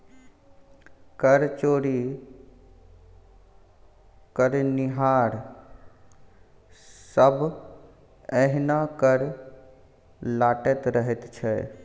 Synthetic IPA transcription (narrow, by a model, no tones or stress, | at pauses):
kəɾt͡ʃoːɾi | kəɾnɪɦaːɾ | səbʱ | ɛɦnakəɾ | laːʈet̪ɾəɦet̪t͡ʃʰɛ